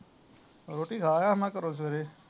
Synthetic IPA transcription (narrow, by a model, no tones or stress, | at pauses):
ɾoːʈiːkʰaːjãmãːkəɾoːs̬ʋeɾeː